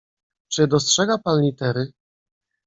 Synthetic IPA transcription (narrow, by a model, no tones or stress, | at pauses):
t͡ʂɘd̪ɔstʂɛɡapanlʲit̪ɛɾɘ